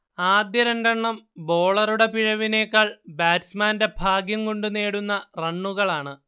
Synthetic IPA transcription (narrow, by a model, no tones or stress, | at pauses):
aːd̪jɐɾɐnɖɐɳːɐmbo̞ːɭɐruɽe̞piɻɐʋine̞ːkːaːɭbaːtsmaːnde̞bʱaːɡjɐmko̞ɳɖune̞ːɽunːɐrɐɳːuɣɐɭaːɳɨ